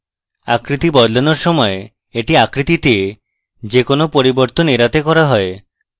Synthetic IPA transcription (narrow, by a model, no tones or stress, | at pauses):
a̰kɾit̪ibɔd̪lenoɾsɔmɔe | eʈiakɾit̪it̪ie | d͡ʒekonopoɾibɔɾt̪oneɾat̪ekɔɾaɦɔe